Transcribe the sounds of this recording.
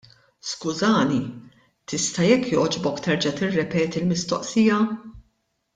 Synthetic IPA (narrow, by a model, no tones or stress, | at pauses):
skʊzɐːni | t̪ɪst̪ɐjɛkːjɔːd͡ʒbɔkt̪ɛɾd͡ʒɐt̪ɪrːɛpɛːt̪ilmɪst̪ɔ̰ʔsijɐ